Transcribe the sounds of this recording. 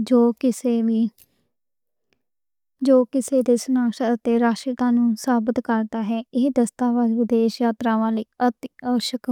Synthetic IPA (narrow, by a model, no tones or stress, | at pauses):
d͡ʒoːkɪseːʋiː | d͡ʒoːkɪseːd̪eːsʊnaːkʃəət̪eːɾaːʃɪt̪ãːnũːsaːbɪt̪kəɾd̪aːɦɛːɪɦd̪əst̪aːʋaːd̪ʋɪd̪eːʃjaːt̪ɾãːʋaːləiːət̪ːəʋəʃəkː